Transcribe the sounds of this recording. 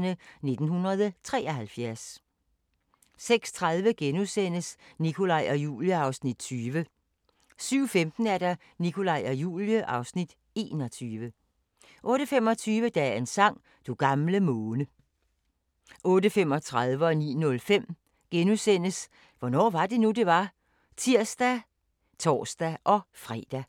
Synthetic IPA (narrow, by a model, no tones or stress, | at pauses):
nəne̝d̥n̩ɦunʁɐðˠt͡sʰʁɛːɐhælfjæɐs | seɡ̥st͡sʰʁaðˠʋəɡ̥enusen̰əsnikʰo̝lɑ̈ɪ̰ɒ̽jṵːljəɑ̈ʊsnid̥t͡sʰyːʋə | syʊ̰femd̥n̩æɐɾ̥ɑ | nikʰo̝lɑ̈ɪ̰ɒ̽jṵːljəʔɑ̈ʊsnid̥ | e̝ːnɒ̽t͡sʰyːʋə | ʔɔ̽ːɾ̥əfem̰ɒ̽t͡sʰyːʋəd̥ɛensɑ̈ŋ̰ | d̥uɡ̥ɑ̈mləmɔːnə | ʔɔ̽ːdəfem̰ɒ̽t͡sʰʁaðˠʋəɒ̽nḭːnɔ̽lfem̰ | ɡ̥enusen̰əs | ʋɒnɒ̰ːʋɑ̈d̥e̝nud̥e̝ʋɑ̈ | t͡sʰiɐ̰sd̥æ | t͡sʰɒ̰ːsd̥æʔɒ̽fʁɛ̰ːd̥æ